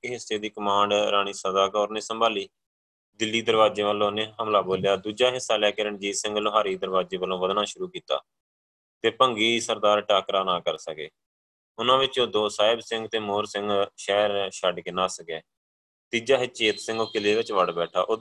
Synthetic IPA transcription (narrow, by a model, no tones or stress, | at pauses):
ɦɪsːeːd̪iːkəmãːɳɖɾaːɽ̃iːsədaːkɔːɾnẽːsəmbaːliː | d̪ɪlːiːd̪əɾʋaːd͡ʒeːʋəlõːnẽːɦəmlaːboːljaːd̪uːd͡ʒaːɦɪsːaːljaːkəɾəɳd͡ʒiːsɪ̃ŋɡloɦaːɾiːd̪əɾʋaːd͡ʒeːʋəlːõːʋəd̪naːʃʊɾuːkiːt̪a̰ː | t̪eːpəŋɡiːsəɾd̪aːɾʈaːkɾaːnãːkəɾsəkḛː | ʊnãːʋɪt͡ʃoːd̪oːsaːɪbsɪ̃ŋɡt̪eːmoːɾsɪ̃ŋɡʃɛːɾʃəɖkeːnaːsəkeː | t̪iːd͡ʒaːɦɪt͡ʃeːt̪sɪ̃ŋɡoːkɪleːʋɪt͡ʃʋəɽbɛːʈʰa̰ːʔʊ